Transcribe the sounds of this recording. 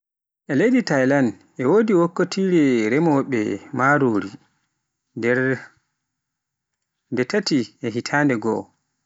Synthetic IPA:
ʔɛlejditajlan | ɛwoːdiwokːotʰiːɾɛɾɛmɔɓɛ̰maːɾoɾi | ɾ | ndɛtatiɛɦitʰandɛɡɔ̰

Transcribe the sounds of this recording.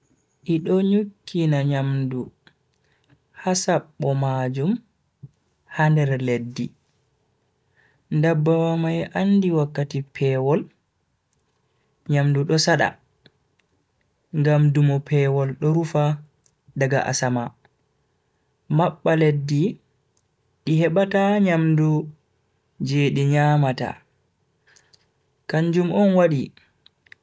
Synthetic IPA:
ʔiɗɔɲukʰːinaɲamdu | hasaɓːɔmad͡ʒum | handɛɾledːi | ndabːawamajʔanːdiwakːatipʰɛwɔl | ɲamduɗɔsaɗa̰ | ŋɡamdumɔpʰɛːwɔlɗɔɾufa | daɡa̰ʔa̰sama | maɓːaledːi | ɗihɛɓataɲamdu | d͡ʒeːɗiɲaːmata̰ | kaɲd͡ʒumʔɔnwaɗi

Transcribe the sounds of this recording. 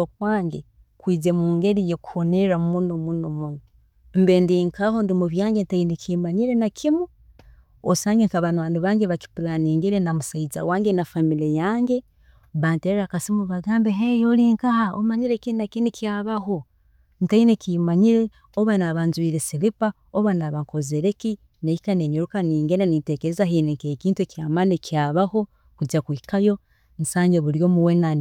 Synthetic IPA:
okwaːŋɡe | kwiːze̞muːŋɡeɾijeku̥honeɾamunomunomuno | mbendiŋkʰaho̞ndimuβjaːŋɡentainekʰimaɲiɾenakʰimu | osaːŋɡeŋkaβanaːndiβaːŋɡeβaki̥pulaniːŋɡiɾenamusaiza̰waːŋɡenafamilejaːŋɡe | βanteɾakasimuβaɡaːmbeɦejoliːŋkahao̰maɲiɾekiinakinikiaːβaho̞ | ntainekimaɲiɾe̞ | oβanaβanzwiːɾesilipa | oβanaβaŋkozeɾeki | neikaneɲoɾukaniːŋɡenenite̞ːkeɾezaɦineŋkekiːntuwekiaːmanekiaβaho̞ | kud͡ʒakwikajo̞ | nsaːɲɟeβuɾjo̞ːmuwenan

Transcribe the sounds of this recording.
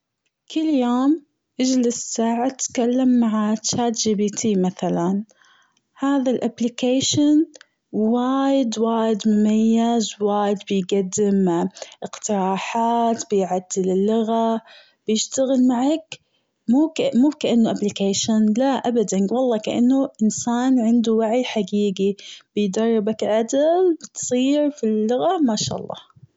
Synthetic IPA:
kɪlːjoːm | ʔad͡ʒlɪssaːʕat̪kalːamːaʕat͡ʃaːt̪d͡ʒiːbiːt̪ʰiːmaθalan | haːðalʔablɪkeːʃɪn | waːjɪd̪waːjɪd̪mʊmajːazwaːjɪd̪bɪjɡad̪ːɪmʔɪqt̪ɪɾɑːħaːt̪bɪjʕad̪ːɪlɪlːʊɣa | b̥jɪʃt̪aɣɪlmaʕak | muːkmuːkaʔanːʊʔablɪkaːʃanlaʔabad̪anwɑlˤːɑːkaʔa̰nːʊʔɪnsaːnʕɪnd̪uwaʕjħaɡiːɡib̥ɪjd̪ɑrˤːɪbakʕad̪ɪlbɪt̪sˤiːɾfilːʊɣamaʃa̰ːʔɑ̰lˤːɑ̰ːh

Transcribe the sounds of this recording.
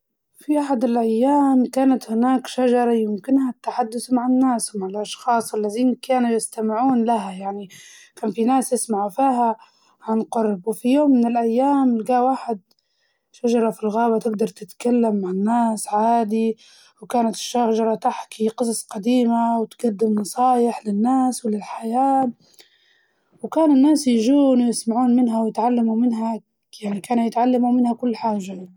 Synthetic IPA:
fiʔaħad̪ɪlʔajːaːmkaːnat̪hɪnaːkʃaʒɑɾˤɑjɪmkɪnhat̪ːaħad̪ːʊθmaʕanːaːswmaʕɪlʔɑʃxɑːsˤʔalːaðiːnkaːnujɪst̪amɪʕuːnlaɦajaʕnikaːnfinaːsjɪsmaʕfiːɦa | ʕanqʊɾbwfijoːmːɪnɪlʔajːaːmɡaːwaːħɪd̪ | ʃaʒɑɾˤɑfilɣaːbat̪ɪɡd̪ɑɾˤt̪ɪt̪kalːamːaʕɪnːaːsʕaːd̪i | wkaːnat̪ɪ̥ʃːaʒɑɾˤɑt̪aħkiqɨsˤɑsˤqɑd̪iːmawt̪ɡad̪ːɪmnɑsˤɑːjɪħlɪnːaːswɪlɪlħajaː | wkaːnɪnːaːsjaʒuːnjɪsmaʕuːnmɪnɦawjɪt̪ʕalːamumɪnɦa | jaʕnikaːnajɪt̪ʕalːamumɪnhakʊlːħaːʒːa

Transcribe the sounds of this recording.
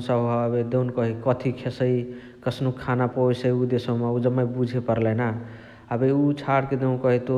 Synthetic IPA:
səbəbed̪ewnkəɦikət̪ʰikʰesəj | kəsnukʰanapojsəiud̪esomeud͡ʒəmːebud͡ʒʱepəɾlɛna | əbeut͡ʃʰaɽked̪eũnkəɦit̪o

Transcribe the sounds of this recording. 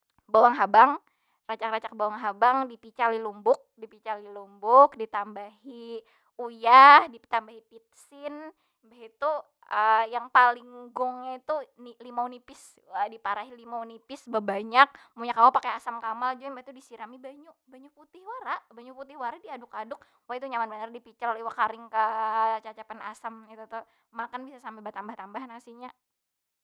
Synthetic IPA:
bawaŋɦabaŋ | rat͡ʃakrat͡ʃak̚bawaŋɦabaŋdipit͡ʃalilumbʊk̚dipit͡ʃalilumbʊk̚dit̪ambaɦi | ujahdit̪ambaɦipit̪̚sɪn | baɦit̪u | əjaŋpalɪŋːuɡʊŋɲait̪unilimaunipɪs | adipaɾaɦilimaunipɪsbabaɲak̚muɲakalapakeasamkamald͡ʒumbat̪udisiɾamibaɲuʔbaɲuput̪ɪhwaɾaʔbaɲuput̪ɪhwaɾadiadʊkadʊk̚ | wait̪uɲamanbanardipit͡ʃaliwakaɾɪŋkət͡ʃat͡ʃapanasamit̪ut̪ʊh | makanbisasampɛbaht̪ambaht̪ambahnaŋsiɲa

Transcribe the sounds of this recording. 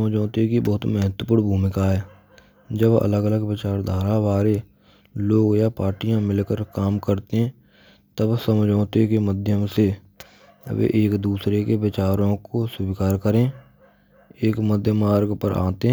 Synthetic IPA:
md͡ʒɔ̃ːt̪ekibəɦʊt̪mɛɦət̪wəpuːɽ̃bʱuːmɪkaɦɛː | d͡ʒəbə̰ləɡələɡʋɪt͡ʃaːɾd̪ʱaːɾaʋaːɾe | loːɡjapaːɾʈijãmɪlkəɾkaːmkəɾt̪eɦɛ̃ː | t̪əbsəmd͡ʒɔːt̪ekeməd̪ʱjəmse | ə̰bḛʔeːkd̪uːsɾekeʋɪt͡ʃaːɾõkosʊbɪkaːɾkəɾẽː | eːkməd̪ʱjəmaːɾɡpəɾa̰ːt̪eɦɛ

